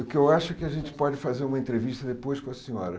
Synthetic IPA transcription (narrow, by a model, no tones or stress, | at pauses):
ʊkɪewaʃʊɛkɪaʒẽnt͡ʃɪ̥pɔd͡ʒɪfazeɾũmɐẽnt̪ɾeviʃt̪ɐd̪epojʃkõɐsĩɔ̰ɾɐ